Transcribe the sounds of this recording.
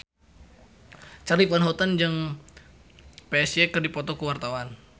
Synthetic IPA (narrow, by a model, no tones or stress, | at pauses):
t͡ʃalifwanɦot̪and͡ʒəŋ | peɛsiekərdipɔt̪ɔkuwart̪awan